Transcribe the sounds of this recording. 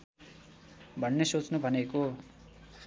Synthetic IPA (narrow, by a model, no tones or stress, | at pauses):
bʱʌnːesot͡snubʱʌneko